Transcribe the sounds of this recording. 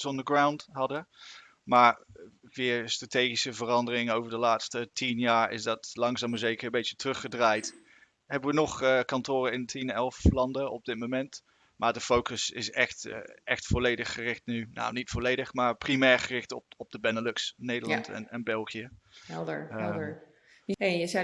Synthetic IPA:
sɔndəɡrawntɦɑdə | maːɹʋɪːɹstrateːχisəvərɑndərɪŋowvəɹdəlaːtstətʰinjaːɹɪ̰zdɑtlɑŋzaːməzejkəɹəmbejtjətərɵχədraːjt | ɦɛbəʋənɔχkɑntʊːɾəɪntʰinɛlˠflɑndəɔb̚dɪt̚momɛnt | maːɹdəfowkəsɪ̰sɛχtʔɛχtfɔlejdəχːərɪχtnyna̰wnitfɔlejdəχmaːɹprimɛːɹχərɪχtɔ̰pɔb̚dəbɛnəløksnejdəɹlɑntɛ̰nɛnbɛlˠχijəɛlˠdə˞ɛə | eəzɛ

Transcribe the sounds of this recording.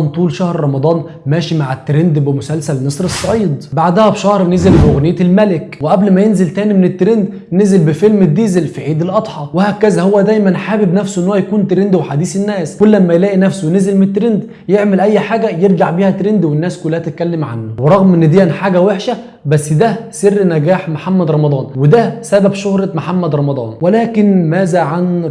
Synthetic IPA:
nt̪ˤuːlʃæhɾɾˤɑmɑd̪ˤɑːn | mæːʃimaʕet̪ːɾend̪bemʊsælsælmesˤɾesˤːɑʕiːd̪ˤbaʕd̪æhæbʃɑhɾnezelbɪʔoɣnejːt̪elmælekweʔæblmæjenzelt̪æːnimenet̪ːɾend̪ | nezelbɪfelmed̪ːiːzelfiʕiːd̪elʔɑd̪ˤħɑwehæːkæzæhowːæd̪æjmænħaːbebnæfsoʔenːowæjækuːnt̪ɾend̪weħad̪iːsenːæːskʊlːæmːæjlæːʔinæfsonezelmeet̪ːɾend̪ | jeʕmelʔæjːħaːɡæjeɾɡaʕbiːhæt̪ɾend̪wenːæːskulːæhæt̪et̪̚kælːemʕa̰nːʊweɾˤɑɣmʔenːɪd̪eːænħaːɡæweħʃæ | bæsːd̪æserːnæɡæːħmoħamːæd̪ɾˤɑmɑd̪ˤɑːnwed̪æsæbæbʃohɾˤɑmoħamːæd̪ɾˤɑmɑd̪ˤɑ̰ːnwelæːkɪnmæːzæʕan

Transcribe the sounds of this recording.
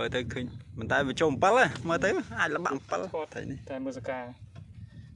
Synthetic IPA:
məːt̪ɨwkʰəːɲpənt̪aɛʋiət͡ɕoːm̩pələməːt̪ɨwʔaːc̚ləɓa̰ʔmpəlt̪ʰə̰jniht̪aməsəkaː

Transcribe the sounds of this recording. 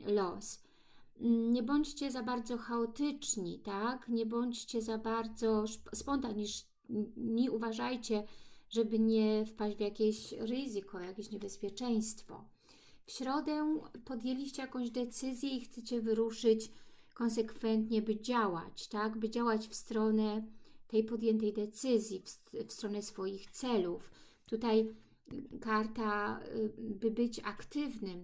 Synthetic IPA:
lɔs̩ | ɲɛbɔɲt͡ɕt͡ɕɛzabaɾd̪zɔxaɔt̪ɘt͡ʂɲḭt̪akɲɛbɔɲt͡ɕt͡ɕɛzabaɾd̪zɔʂspɔnt̪aɲiʂ | mʲiuvaʐajt͡ɕɛʐɛbɘɲɛfpad͡ʑd͡ʑʲvʲjakʲeɕɾɘzɘkɔjakʲeɕɲɛbɛspʲjɛt͡ʂɛj̃st̪fɔ̰ | fɕɾɔd̪ɛpɔd̪ʲjelʲiɕt͡ɕɛjakɔ̃w̃ʑd̪ɛt̪sɘzʲjɛixt̪sɛt͡ɕɛvɘɾuʂɘt͡ɕkɔnsɛkfɛnt̪ɲɛbɘd͡ʑawa̰t͡ɕt̪aɡbɘd͡ʑawat͡ɕfst̪ɾɔnɛt̪ɛjpɔd̪ʲjɛnt̪ɛjd̪ɛt̪sɘzʲjifsfst̪ɾɔnɛsfɔjixt̪sɛluf | t̪ut̪aj | kaɾt̪a | bɘbɘt͡ɕakt̪ɘvnɘm

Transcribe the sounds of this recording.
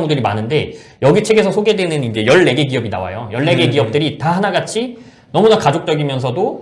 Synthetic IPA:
ŋudɯɾimanɯnde̞jʌɡit͡ɕʰe̞ɡe̞sʰʌsʰoɡe̞dwe̞nɯnind͡ʑe̞jʌɭːe̞ɡe̞ɡiʌbina̰wa̰jojʌɭːe̞ɡe̞ɡiʌp̚t͈ɯɾitaɦanaɡat͡ɕʰi | nʌmunakad͡ʑok̚t͡ɕ͈ʌɡimjʌns̬ʰʌdo

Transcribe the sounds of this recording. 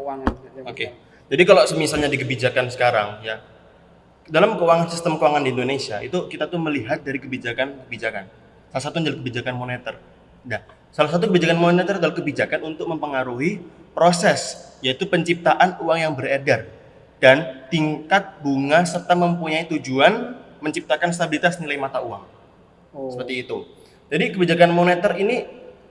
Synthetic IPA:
aŋoke | d͡ʒadikalosəmisalɲadikəbid͡ʒakansə̥kaɾa̰ŋja | dalamkəuwaŋansist̪əmkəwaŋandiindonesiaʔḭt̪ukit̪at̪ʊnməliɦat̪̚daɾikəbid͡ʒakankəbid͡ʒakan | salasat̪uaɲd͡ʒalikəbid͡ʒakanmonet̪ər | da | salahs̬at̪̬ukəbid͡ʒakanmonenet̪ərdalakəbid͡ʒakanunt̪ʊk̚məmpəŋaɾuɦipɾosɛsjait̪upəɲt͡ʃip̚t̪aʔanuaŋjaŋbəɾedar | d̥ant̪iŋkat̪̚buŋasərt̪aŋməmpuɲait̪ud͡ʒuan | məɲt͡ʃip̚t̪akanst̪abilit̪asnilaimat̪auwa̰ŋ | səpərt̪iːt̪u | d͡ʒadikəbid͡ʒakanmonet̪ərini

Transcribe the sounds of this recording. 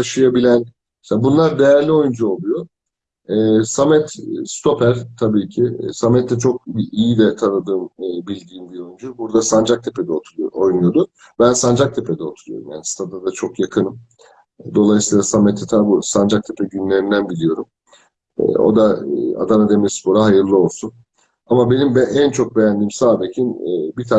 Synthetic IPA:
t̪ʰaʃɯjabilʲæn | meseabunlˠaɾd̪e̞jæɾlʲio̞jund͡ʒuo̞lˠujo | ɛːsamɛt̪st̪ʰo̞pʰæɾt̪ʰabiːcʰɪsamɛt̪ʰːɛt͡ʃʰo̞k̚ijid̪ɛt̪ʰanɯd̪ɯːmːbilʲd̪iːmbio̞jund͡ʒubuɾd̪asand͡ʒak̚t̪ʰe̞pʰe̞d̪ɛoo̞jnujo̞d̪ʊ | bænsand͡ʒak̚t̪ʰe̞pʰed̪ɛo̞t̪ʰuɾujo̞̰ɾumjaːnist̪ʰad̪ad̪at͡ʃʰo̞kjakʰɯnɯm | d̪o̞lˠajsiːlˠasamet̪ʰːɛt̪ʰabusand͡ʒak̚t̪ʰepʰɛɟynlʲe̞ɾind̪ænbilʲijo̞ɾum | ɛ̰o̰d̪aa̰d̪anad̪emiɾspʰo̞ɾaɦajɯɾlˠɯo̞lˠsun | amabe̞nimbʔænt͡ʃʰo̞k̚be̞jænd̪iːmsaːb̪ecʰinːbit̪ʰa

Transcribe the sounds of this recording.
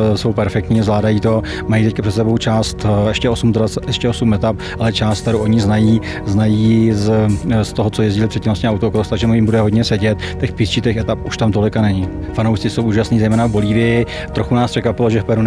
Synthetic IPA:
so̞wpɛɾfɛk̚t̪ɲiːzvlaːdajiːt̪o̞ | majit̪ɛc̚kapr̥ɛt̪sɛbo̞wt͡ʃaːst̪ɛʃcɛo̞sumt̪ɾat͡sʔɛʃcɛosumʔɛt̪ap̚ | ʔalɛt͡ʃaːst̪t̪ɛɾowʔoɲɪznajiː | znajiːzst̪oɦot͡sojɛzɟɪlɪpr̥ɛt̪cːɪmloscɲɛawt̪okost̪aɡʒɛmujɪmbudɛɦo̞dɲɛsɛɟɛt̪t̪ɛxpɪst͡ʃit̪ɛxɛt̪apʔuʃt̪amt̪o̞lɪkanɛɲɪ | fanowʃt͡sɪsowʔuːʒasniːzɛjmɛːnavbo̞liːvɪjɪ | t̪ɾoxunaːsprɛkʋapɪloʒɛfpɛɾu

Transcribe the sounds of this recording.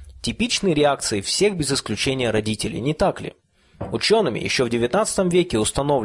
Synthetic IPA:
tʲɪpʲit͡ɕnɨjəɾʲɪak̚t̪sɨɪfsʲe̞ɣbʲɪzɪsklʲʉt͡ɕenʲɪjəɾɐdʲitʲɪlʲɪ̰nʲɪt̪aklʲɪ̰ | ʊt͡ɕonːɨmʲɪ̰jɪ̰ɕːovdʲɪvʲɪt̪nat̪sɨ̥t̪əmvʲekʲɪʊst̪ɐno̞vlʲ

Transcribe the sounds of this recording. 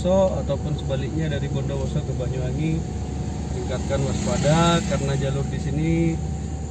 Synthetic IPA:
sɔat̪awpʊnsəbalɪk̚ɲadaɾibɔndɔwɔsɔkəbaɲuani | tiŋkat̪̚kanmaskadakaɾənad͡ʒalʊrdisini

